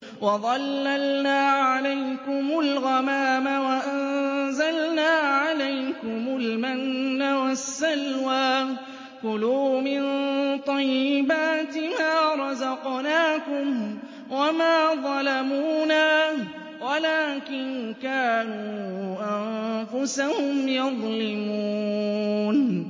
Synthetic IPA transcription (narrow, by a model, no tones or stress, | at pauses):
wɑðˤɑlːalnaːʕalajkʊmʊlɣamaːmawaʔanzalnaːʕalajkʊmʊlmanːawasːalwaː | kʊluːmɪnt̪ˤɑjːɪbaːt̪ɪmaːɾˤɑzɑqnaːkʊm | wamaːðˤɑlamuːnaː | walaːkɪnkaːnuːʔanfʊsahʊmjɑðˤlɪmuːn